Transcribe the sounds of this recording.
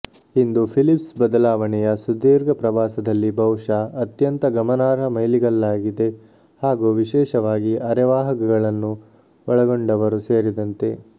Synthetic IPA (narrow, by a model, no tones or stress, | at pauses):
ind̪upʰilipsbɐd̪ɐlaːʋɐɳɛjɐsud̪iːɾɡɐpɾɐʋaːsɐd̪ɐlːibʱɐwʂaʔɐt̪jɐnt̪ɐɡɐmɐnaːɾɦɐmɐjliɡɐlːaːɡid̪e̞ | haːɡuʋiʃɛːʃɐʋaːɡiʔɐɾɛʋaːɦɐɡɐɡɐɭɐnːu | ɔɭɐɡoɳɖɐʋɐɾuseːɾid̪ɐnt̪e̞̰